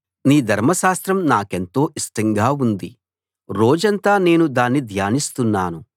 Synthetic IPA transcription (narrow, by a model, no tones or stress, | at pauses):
niːd̪ʱɐɾmɐʃaːst̪ɾɐmnaːke̞nt̪o̞ːʔisʈɐŋɡaːund̪i | ɾoːd͡ʒɐnt̪aːne̞ːnud̪aːnːid̪ʱjaːnist̪unːaːnu